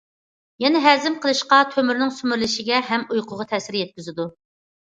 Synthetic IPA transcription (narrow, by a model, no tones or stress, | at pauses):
jɛnɛɦɛzɪmqʰəlˠɨʃqɑt̪ʰømyɾnɪŋsymyɾlɪʃɪɡʲɛɦɛmujqʰʊʁɑt̪ʰɛsɪɾjɛt̪̚kʲyzɪd̪u